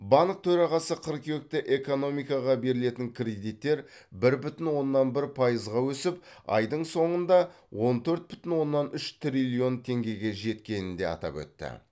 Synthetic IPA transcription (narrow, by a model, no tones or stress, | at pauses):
bɑɴk̚t̪ʰɵɾɑʁɑsəqʰəɾkʰʲewk̚t̪ɪʔe̞ko̞no̞mijkɑʁɑbe̞ɾɪle̞t̪ɪŋkʲʰrʲe̞d̪ijt̪ːe̞ɾbɪɾbʏt̪ɪnwo̞nːɑnbɪɾpʰɑjəzʁɑwɵsɪp̚ɑ̰jd̪əɴso̞ɴənd̪ɑ | wo̞nt̪ʰɵɾt̪̚bʏt̪ɪnwo̞nːɑnʏʃt̪rʲilʲio̞nt̪ʰe̞ŋɡʲe̞ɡʲe̞ʒe̞t̪kʲe̞nɪnd̪e̞ɑ̰t̪ɑ̰pwɵ̰t̪ːɪ̰